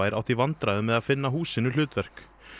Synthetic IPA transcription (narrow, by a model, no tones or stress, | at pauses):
ajɾʔa̰wht̪ivant̪ɾaðʏmɛðaðfɪnːaɦuːsɪnʏl̥ʏːt̪vɛr̥k